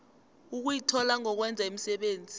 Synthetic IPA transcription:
uk̬ujitʰɔlaŋɔk̬wɛnd͡zʱaim̩sɛɓeːnd͡zʱi

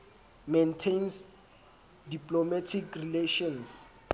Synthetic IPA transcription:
mentʰens | diplomatʰikrileʃɔ̃ns

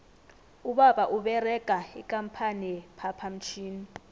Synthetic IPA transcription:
uɓaɓaʔuɓɛrɛkʼaikʼampʰanipʰapʰam̩t͡ʃʰiːni

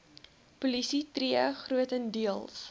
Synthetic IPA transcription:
pulisitriəχruətəndiəlˠs

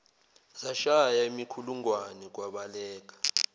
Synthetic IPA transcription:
zaʃajaemikʰuluŋwanɛk̬waɓalɛːk̬ḁ

